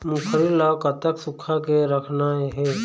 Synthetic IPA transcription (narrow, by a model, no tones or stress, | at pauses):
mũkʰəɾilːakət̪əksʊkʰakeɾəkʰnaɦɛː